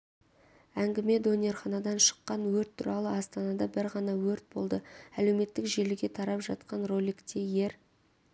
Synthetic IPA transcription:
æŋɡʲɪme̞d̪o̞nʲe̞rχɑnɑd̪ɑnʃə̥qːɑnwɵɾt̪ʰːʊɾɑlˠəɑst̪ɑnɑd̪ɑbɪɾʁɑnɑwɵɾt̪̚bo̞̰lˠd̪əæle̞wme̞t̪ːɪkʒelɪɡʲe̞t̪ʰɑɾɑpʒɑt̪̚qɑnro̞lʲikt̪ʲʰeje̞ɾ

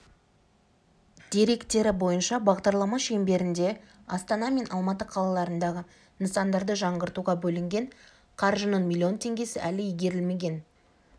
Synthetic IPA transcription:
d̪̥e̞ɾe̞kt̪e̞ɾɪbo̞jənʃɑbɑʁd̪ɑɾlˠɑmɑʃe̞mbe̞ɾɪnd̪e̞ | ɑst̪ɑnɑme̞nʔɑlˠmɑt̪əqʰɑlˠɑlˠɑɾənd̪ɑʁə | nəsɑnd̪ɑɾd̪əʒɑɴʁəɾt̪uʁɑbɵlɪŋɡʲe̞ɴ | qʰɑɾʒənəɴmʲilʲˠːio̞nt̪ʰe̞ŋɡʲe̞sɪʔælɪijɡʲe̞ɾɪlme̞ɡʲe̞n

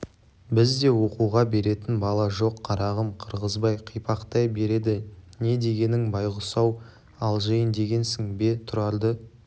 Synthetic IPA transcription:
bɪzd̪e̞wo̞quwʁɑbe̞ɾe̞t̪ɪnbɑlˠɑʒo̞qʰːɑɾɑʁəmqʰəɾʁəzbɑjqʰijpɑqt̪ɑjbe̞ɾe̞d̪ɪne̞d̪e̞ɡʲe̞nɪŋbɑjʁʊsɑw | ɑlˠʒejɪnd̪e̞ɡʲe̞nsɪŋbe̞t̪ʰʊɾɑlˠd̪ə

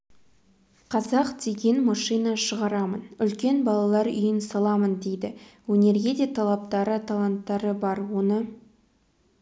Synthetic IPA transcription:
qʰɑzɑqd̪̥e̞ɡʲe̞nmɑʃijnɑʃəʁɑɾɑmənʏlkʲe̞nbɑlˠɑlˠɑɾʏ̰jɪnsɑlˠɑmənd̪e̞jd̪ɪwɵne̞ɾɡʲe̞d̪e̞t̪ʰɑlˠɑp̚t̪ɑɾət̪ʰalˠant̪ːɑɾəbɑɾwo̞nə

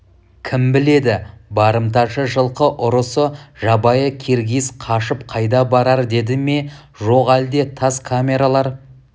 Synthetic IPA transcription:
kʲʰɪmbɪle̞d̪ɪbɑɾəmt̪ɑʃəʒəlˠqəʔʊɾəsəʒɑbɑjəkʲʰe̞ɾɡʲisqʰɑʃəpqʰɑjd̪ɑbɑɾɑɾd̪e̞d̪ɪme̞ | ʒo̞qæld̪e̞t̪ʰɑskʰamʲe̞ɾalˠɑɾ

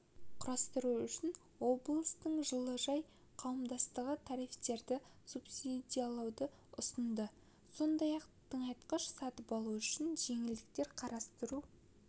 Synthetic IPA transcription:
qʰʊɾɑst̪əɾuʏʃɪn | wo̞blˠəst̪əɴʒəlˠəʒɑj | qʰɑwəmd̪ɑst̪əʁət̪ʰɑɾift̪e̞ɾd̪ɪsupsid̪ijalˠɑwd̪ə | ʊsənd̪ə | so̞nd̪ɑjɑqt̪ʰəɴɑjt̪qəʃsɑt̪əpɑlˠuʏʃɪnʒe̞ŋɪld̪ɪk̚t̪e̞ɾqʰɑɾʔɑst̪əɾu

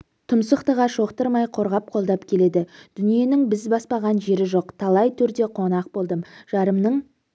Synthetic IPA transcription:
t̪ʰʊmsəqt̪əʁɑʃo̞qt̪əɾmɑjqʰo̞ɾʁɑp̚qʰo̞lˠd̪ɑpkʲʰe̞le̞d̪ɪd̪̥ʏnije̞nɪŋbɪzbɑspɑʁɑnʒe̞ɾɪʒo̞qt̪ʰɑlˠɑjt̪ʰʏɾd̪e̞qʰo̞nɑq̚bo̞lˠd̪əmʒ̥ɑɾəmnəɴ

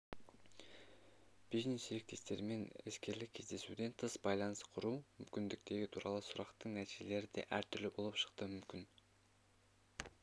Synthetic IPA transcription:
b̥iʒnesd͡ʒeɾek̚t̪e̞st̪e̞ɾmenḛskʲe̞ɾlɪkʲʰːe̞zd̪e̞sud̪e̞nt̪ʰəsbɑjlˠɑnəsqʰʊɾuːmʏmkʲind̪ik̚t̪e̞ɡʲit̪ʰuːɾɑ̰lˠusuɾɑqt̪əɴnæsele̞ɾɪd̪ḛʔæɾt̪ʰʏɾlybo̞lˠəpʃə̥qt̪ɯmʏmkʲin

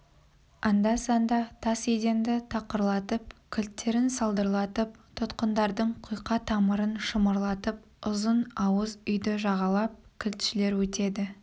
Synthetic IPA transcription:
ɑnd̪ɑsɑnd̪ɑt̪ʰɑsed̪e̞nd̪ɪt̪ʰɑqəɾlˠɑt̪əp̚kʲʰɪlt̪ːe̞ɾɪnsɑlˠd̪əɾlˠɑt̪əp̚t̪ʰʊt̪qənd̪ɑɾd̪əɴqʰujqɑt̪ʰɑməɾənʃəməɾlˠɑt̪əp̚ | ʊzənɑwəzʏjd̪ɪʒɑʁɑlˠɑp̚kʲʰɪlt̪ʃɪle̞ɾwɵt̪e̞d̪ɪ

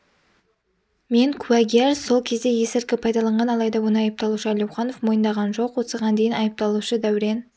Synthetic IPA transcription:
me̞ŋkʲʰʉæɡʲieɾso̞lˠkʲʰe̞zd̪e̞je̞sɪɾkʲɪpʰɑjd̪ɑlˠɑɴʁɑnɑlˠɑjd̪ɑwo̞nəɑjəp̚t̪ɑlˠuʃəælʲjowχɑno̞fmo̞jənd̪ɑʁɑnʒo̞qwosəʁɑnd̪ejɪnɑjəp̚t̪ɑlˠuʃəd̪æwɪɾe̞n

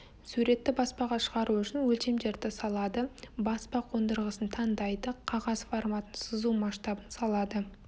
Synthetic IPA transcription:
suɾe̞t̪ːɪbɑspɑʁɑʃəʁɑɾuʏʃɪnwɵlt̪e̞md̪e̞ɾd̪ɪsɑlˠɑd̪əbɑspɑqʰo̞nd̪əɾʁəsənt̪ʰɑnd̪ɑjd̪əqʰɑʁɑzformɑt̪ənsəzumɑʃt̪ɑbənsɑlˠɑd̪ə

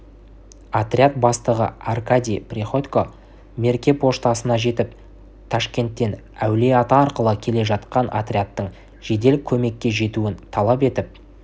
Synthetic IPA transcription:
at̪ɾʲjat̪̚bɑst̪əʁə̰arkad̪ʲijprʲiχo̞t̪ʲko̞ | me̞ɾkʲe̞pʰo̞ʃt̪ɑsənɑʒe̞t̪ɪp̚ | t̪ʰɑʃkʲe̞nt̪ːe̞n | æwle̞ɑt̪ɑːɾqəlˠəkʲʰe̞le̞ʒɑt̪qɑnʔa̰t̪rʲiat̪ːəɴ | ʒ̥e̞d̪e̞lkʲʰɵme̞kʲːe̞ʒe̞t̪uɪnt̪ʰɑlˠɑpe̞t̪ɪp̚

